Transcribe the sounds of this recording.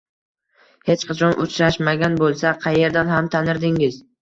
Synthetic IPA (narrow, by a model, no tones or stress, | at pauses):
he̞t͡ʃqʰɑt͡ʃʰɒnʔʊ̰t͡ʃʰɾaʃmaɡʲanbolˠsaqʰɑje̞ɾd̪anɦamt̪ʰanɪɾd̪ɪŋɪz